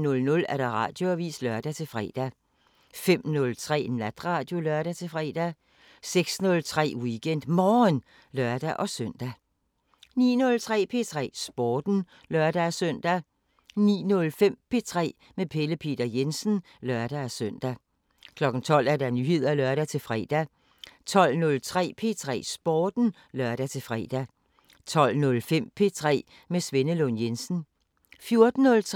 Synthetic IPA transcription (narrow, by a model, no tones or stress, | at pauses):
nɔ̽lnɔ̽læɐɾ̥ɑ̈ʁɑ̈ːd̥jo̝æʋḭːslœɐd̥æt͡sʰe̝fʁɛ̰ːd̥æ | fem̰nɔ̽lt͡sʰʁɛ̰ːnæd̥ʁɑ̈ːd̥jo̝lɶɐd̥ɾæt͡sʰe̝fʁɛ̰ːd̥æ | seɡ̥snɔ̽lt͡sʰʁɛ̰ːwiɡ̥en̰d̥mɒːn | lɶɐd̥æʔɒ̽søn̰d̥æ | nḭːnɔ̽lt͡sʰʁɛ̰ːpʰe̝t͡sʰʁɛ̰ːsb̥ɒːd̥n̩ | lɶɐd̥æsœn̰d̥æ | nḭːnɔ̽lfem̰pʰe̝t͡sʰʁɛ̰ː | mepʰe̝ləpʰe̝ːd̥ɐjensn̩ | lɶɐd̥æsøn̰d̥æ | kʰlɒ̽ɡ̥n̩t͡sʰɒ̽l̰æɐd̥ɑ̈nyhe̝ð̞̰ˠɐælœɐɾ̥æt͡sʰe̝fʁɛ̰ːd̥æ | t͡sʰɒ̽l̰nɔ̽lt͡sʰʁɛ̰ːpʰe̝ːt͡sʰʁɛ̰ːsb̥ɒːd̥n̩ | lɶɐ̰ɾ̥æt͡sʰe̝fʁɛ̰ːd̥æ | t͡sʰɒ̽l̰nɔ̽lfem̰pʰe̝t͡sʰʁɛ̰ː | mesʋe̝nəlonjensn̩ | fjo̝ɐd̥n̩ːɔ̽lt͡sʰ